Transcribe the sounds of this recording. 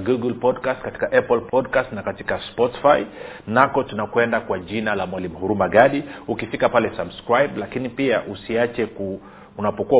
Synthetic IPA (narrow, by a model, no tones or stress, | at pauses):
ɡuɡlpɔdkastkati̥kaʔɛplpʰɔdkastnakati̥kaspɔti̥fai | nakɔtunakwɛndakwaʄinalamwalimuhuɾumaɠaɗiukifikapalɛsabskɾajblakinipiaʔusiat͡ʃɛku | unapɔkua